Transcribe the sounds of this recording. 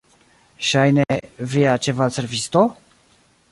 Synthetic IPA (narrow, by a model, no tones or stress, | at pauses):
ʃajnevijat͡ʃevat̪servist̪o